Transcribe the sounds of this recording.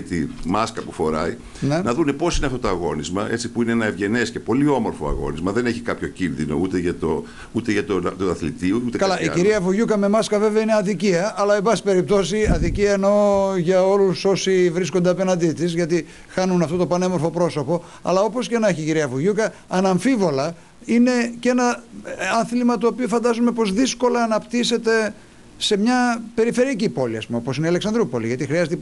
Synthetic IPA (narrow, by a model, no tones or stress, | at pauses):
t̪imɐskɐpufo̞ɾɐ̰i | nenɐðune̞po̞sineɐft̪ot̪oɐɣo̞nizmɐʔe̞t͡sipuineenɐevʝe̞nesce̞po̞lio̞mo̞ɾfo̞ɐ̰ɣo̞̰nizmɐðe̞ne̞çikɐpço̞cinðino̞̰ut̪eʝɐt̪o | ut̪eʝɐt̪ont̪uɐθlḭt̪iuut̪ekɐlɐʔiciɾiɐvuʝukɐme̞mɐskɐve̞veɐine̞ɐðiciɐʔɐlɐebɐsi̥pe̞ɾip̚t̪o̞siɐðiciɐeno̞ʝɐo̞luso̞sivɾis̬kond̪eɐpe̞nɐnd̪it̪isʝɐt̪i | xɐnunɐft̪o̞t̪opɐnemo̞ɾfo̞pɾo̞so̞po̞ | ɐ̰lɐo̞po̞scenɐeçiciɾiɐvuʝukɐːnɐɱfivo̞lɐ | ine̞ce̞nɐɐnθlimɐt̪oːpiofɐnd̪ɐzume̞po̞zðisko̞lɐːnɐpt̪ise̞t̪e̞ | se̞mɲɐpe̞ɾife̞ɾiɐcipo̞lḭɐspumeoposineɐleksɐnd̪ɾupo̞lḭʝɐt̪ixɾiɐzet̪e